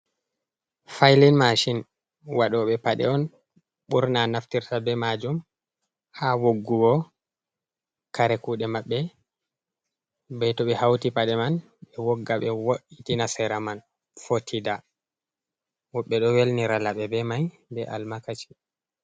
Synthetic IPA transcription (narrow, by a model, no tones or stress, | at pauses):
fajlinmaʃin | waɗɔɓɛpaɗɛ̰ɔn | ɓuɾnanaftiɾtabɛmad͡ʒum | hawoɡːuɡɔ | kaɾɛkuːɗɛmaɓːɛ | bɛtɔɓɛhawtipaɗɛman | ɓɛwoɡːaɓɛwoʔitinasɛɾaman | fotʰida | wɔɓːɛɗɔwelniɾalaɓɛbɛmaj | bɛʔalmakat͡ʃi̥